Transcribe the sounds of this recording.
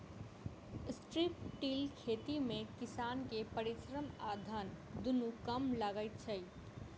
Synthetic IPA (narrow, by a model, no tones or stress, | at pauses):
sʈɾipʈilkʰeːt̪imẽkɪsaːnkepəɾisɾəmaːd̪ʱən | d̪unũkəmləɡəjt̪t͡ʃʰəj